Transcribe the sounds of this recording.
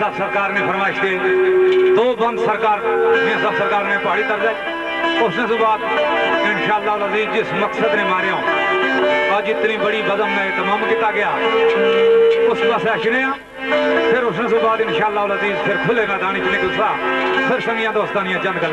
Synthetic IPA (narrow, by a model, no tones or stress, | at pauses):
səbsəɾkaːɾneːpʰəɾmaːɪʃd̪eː | t̪oːbənd̪səɾkaːɾnɪjãːsəbsəɾkaːɾnẽːpaːɽiːk̪əɾd̪aːi | ʊsnẽːsũːbaːd̪ɪnʃaːəlːaːɦləziːzd͡ʒɪsməksəd̪nẽːmaːɾejãːõː | əd͡ʒɪt̪nĩːbəɽiːbəzəmnẽːt̪əmãːmkɪt̪aːɡɪjaː | ʊsbaseaʃnẽːãː | pʰɪɾʊsnẽːsũːbaːd̪ɪnʃaːəlːaːɦʊləziːzpʰɪɾkʰʊleːmãːd̪aːñĩːkɪnẽːkɪlsãːpʰɪɾsəŋɡɪjãːt̪õːəst̪aːnɪjãːt͡ʃə̃nd̪kəɾ